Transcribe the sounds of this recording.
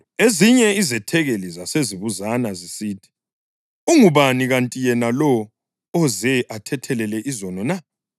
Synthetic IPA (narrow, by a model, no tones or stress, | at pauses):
eziɲɛizɛtʰɛɣelizaseziβuzanazisiːtʰi̥ | uŋuβaniɣantʼijɛnalɔː | zɛʔatʰɛtʰɛlɛlɛʔizɔnɔna